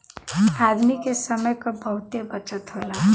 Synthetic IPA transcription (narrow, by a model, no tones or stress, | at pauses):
ad̪mikesəməjkobʱəɦʊt̪jəbət͡ʃət̪ɦola